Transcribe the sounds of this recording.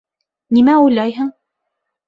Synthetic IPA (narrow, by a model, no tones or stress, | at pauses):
nimæujlˠɑjɦɤɴ